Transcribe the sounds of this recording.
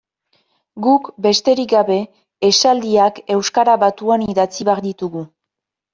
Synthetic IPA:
ɡukbe̞st̪e̞ɾikɡaβe̞ː | sald̪iake̞wskaɾaβat̪uaniðat͡siβeaɾd̪it̪uɣu

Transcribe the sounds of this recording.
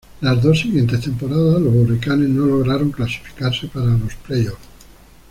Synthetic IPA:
lazðo̞sːiɣje̞nt̪e̞st̪e̞mpo̞ɾaðalozβurikane̞zno̞lo̞ɣɾaɾo̞ŋklasi̥fi̥kaɾse̞paɾalosplejof

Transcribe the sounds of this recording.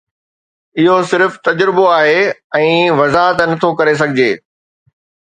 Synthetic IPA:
ɪɦosɪɾft̪ɐd͡ʑɾɪboaːɦeɛ̃ːʋɐzaːɦət̪nɐt̪ʰokɐɾes̬ɐɡʱɪd͡ʑeː

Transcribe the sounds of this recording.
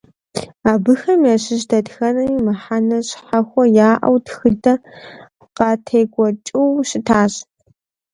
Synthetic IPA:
aːbɨxɐmjaːɕɪʒdɐdxɐnɐmimɐħanɐɕħaxʷɔjaːʔɐ̰wtxɨdʼɐ | qɑtʰejɡʷɔt͡ʃʼiwɕɪtʰaːɕ

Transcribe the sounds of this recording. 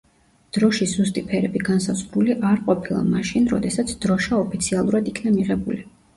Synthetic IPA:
d̪̥ɾɔʃiz̥ust̪ʼipʰɛɾɛbiɡansazʁɾuliʔaɾqʼɔpʰilˠa̰maʃinɾɔ̰d̪ɛsat̪sʰd̪̥ɾɔʃaɔpʰit̪sʰialˠuɾad̪ikʰnamiʁɛbuli

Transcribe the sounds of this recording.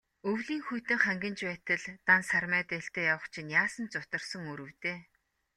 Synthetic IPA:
ɵwɮiːŋxujt̪ɘ̆ŋχæŋɡʲə̆nt͡ɕpæːt̪ə̆ɮt̪ansarmæːt̪eɬt̪eːjawə̆χt͡ɕʰĭnjaːsə̆nt͡sʊt̪ə̆rsə̆ŋɵɾɵ̆wt̪eː

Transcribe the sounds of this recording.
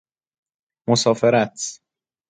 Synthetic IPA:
mosɒːfeɾæt̪ʰ

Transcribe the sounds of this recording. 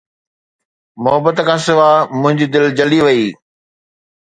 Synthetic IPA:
mʊɦəbət̪əkʰãːsɪʋaːmʊ̃ɦɪ̃ɲd͡ʑid̪ɪld͡ʑɐliʋɐiː

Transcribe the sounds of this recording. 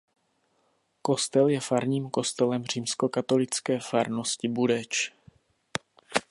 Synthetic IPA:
ko̞st̪ɛljɛfaɾɲiːmko̞st̪ɛlɛmr̝iːmsko̞kat̪o̞lɪt͡skɛːfaɾnoscɪbudɛt͡ʃ

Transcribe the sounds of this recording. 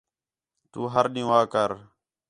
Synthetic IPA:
t̪uːɦəɾɗĩjũːaːkəɾ

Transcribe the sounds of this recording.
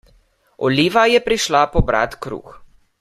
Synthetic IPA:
ɔliːʋajɛpɾiʃlapɔbɾa̰t̪kɾṵːx

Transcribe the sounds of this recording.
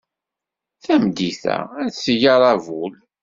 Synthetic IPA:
θæmd̪iθæ̰æsəjɑɾˤɑvul

